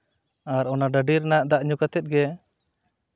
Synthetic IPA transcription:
aɾɔnaɖəɖiɾnaʔd̪aʔɲukat̪ɛt̪̚ɡɛ

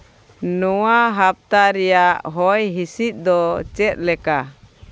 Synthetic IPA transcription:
nɔwaɦap̚t̪aɾɛjaʔɦɔjɦisit̪̚ˀd̪ɔt͡ʃɛt̪̚lɛka

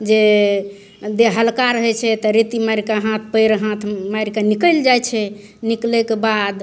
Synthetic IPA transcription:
d͡ʒe | d̪eɦəlkaɾəɦɛt͡ʃʰɛt̪ɔɾit̪imɛɾikaɦãt̪ʰpəjɾɦãt̪ʰmaɾikanikəld͡ʒajt͡ʃʰɛ | niklɛkebad̪

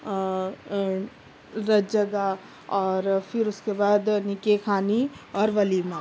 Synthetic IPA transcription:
ɾɐd͡ʒɐɡa | ɔːɾfʰɪɾʊskebaːd̪nɪkekʰaːniɔːɾʋɐliːmãː

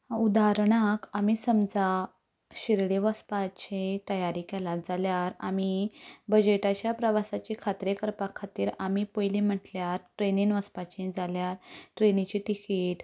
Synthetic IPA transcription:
ud̪aɾɳakamisəmd͡za | ɕiɾɽeʋəspat͡ɕet̪əjaɾikɛlat̪d͡zaljaɾa̰mibəd͡ʑeʈat͡ɕjapɾəʋasat͡ɕikʰat̪ɾekəɾpakʰːat̪iːɾamipəjlim̤əʈljaɾʈɾeninʋəspat͡ɕẽd͡zaljaɾʈɾenit͡ɕiʈikiʈ

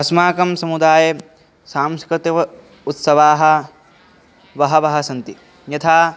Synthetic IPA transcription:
ɐsmaːkɐmsɐmud̪aːjɐ | saːmskɾɪt̪ɐʋɐ | ut̪sɐʋaːɦɐ̆ | ʋɐɦɐʋɐɦɐsɐnt̪i | njɐt̪ʰaː

